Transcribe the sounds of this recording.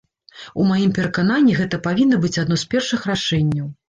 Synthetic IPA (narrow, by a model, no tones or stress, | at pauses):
umajimpʲɛɾɐkananʲːiɣɛt̪ɐpavʲinːɐbɨt͡sʲad̪nɔspʲɛrʂɨxraʂɛnʲːɐw